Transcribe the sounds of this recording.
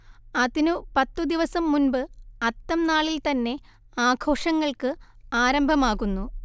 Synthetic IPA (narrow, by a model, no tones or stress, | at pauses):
ɐðinupɐt̪ːud̪iʋɐsɐmːunbɨɐt̪ːɐmnaːɭilt̪ɐnːe̞ | aːɡʱo̞ːʂɐŋːɐɭkɨaːɾɐmbʱɐmaːɣunːu